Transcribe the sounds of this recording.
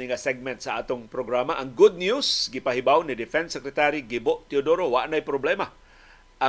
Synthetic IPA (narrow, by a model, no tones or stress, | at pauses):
nɪŋasɛɡ̚mɛnt̪saʔaːt̪ʊŋpɾoɡɾamaʔɐŋɡʊd̪̚njusɡɪpaɦɪbawnɪd̪ɪfɛnsɛkɾɛt̪aɾiɡiboʔt̪ɪʊd̪oɾowaʔnajpɾoblɛma | ʔa